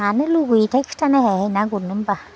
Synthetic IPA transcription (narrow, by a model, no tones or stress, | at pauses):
anəluɡuitɛkftanɛhɛhenaɡuɾnimba